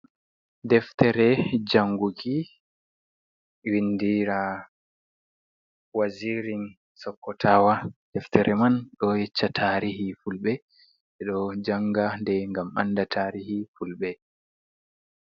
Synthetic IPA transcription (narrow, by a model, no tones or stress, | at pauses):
dɛftɛɾɛd͡ʒaŋɡuɡi | windiɾa | waziɾin | sɔkːɔtʰawad̥ɛftɛɾʔɛmanɗɔjɛt͡ʃːatʰaɾihifulɓɛ | ɛɗɔd͡ʒaŋɡandɛŋɡama̰nːdatʰaːɾihifulɓɛ